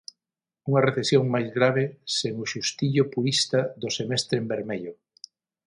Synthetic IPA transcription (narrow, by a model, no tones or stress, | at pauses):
uŋɐreθesjoŋmajzɣɾaβ̞eseŋʊʃust̪iʎʊpuɾist̪aðʊsemɛst̪ɾembeɾmeʎʊ